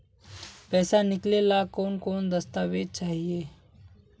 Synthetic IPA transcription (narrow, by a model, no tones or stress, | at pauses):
pɛːsanɪklelakoːnkoːnd̪ɐst̪aːʋeːd̪̚t͡ʃaːɦieː